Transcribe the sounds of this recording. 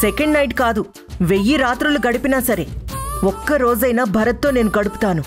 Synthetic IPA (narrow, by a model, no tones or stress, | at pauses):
sekɐɳɖnɐjʈkaːd̪u | ʋe̞jːiɾaːt̪ɾuluɡɐɽipinaːsɐɾe̞ɔkːɐɾo̞ːd͡ʒɐjnaːbʱɐɾɐt̪ːo̞ːne̞ːnuɡɐɽupu̥t̪aːnu